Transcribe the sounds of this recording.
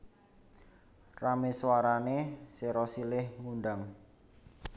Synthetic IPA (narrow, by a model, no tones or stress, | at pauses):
rameswaɾaneseɾɔsilɪhmunɖaŋ